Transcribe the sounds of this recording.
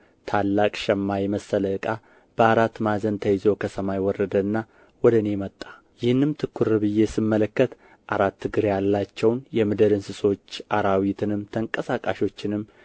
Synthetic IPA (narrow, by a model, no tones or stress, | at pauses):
t̪ʰalːakʼʃɛmːajɛməsːələkʼa | b̥əaɾat̪ːmazənt̪ʰəjɪzo̞kʰəsəmajwɔrəd̪əɨnːa | wɔd̪əne̞mət̪ʼːḁ | jɪhɨnːɨmt̪ʰɨkʰːuɾɨβɨjːe̞sɨmːələkːət̪ | ʔaɾat̪ːɨɡɨɾjalːat͡ʃːɛwnjɛmɨd̪əɾɨnsɨso̞t͡ʃːʔaɾawit̪ʰɨnɨmt̪ʰəŋkʼəsakʼaʃo̞t͡ʃːɪnɨmː